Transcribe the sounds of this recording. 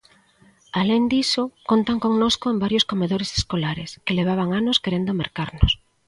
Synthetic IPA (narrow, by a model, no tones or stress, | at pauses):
aleŋd̪isokont̪aŋkoŋnoskoembaɾjoskomeðoɾese̥skolaɾḛskeleβ̞aβ̞aŋanoskeɾend̪omeɾkaɾnos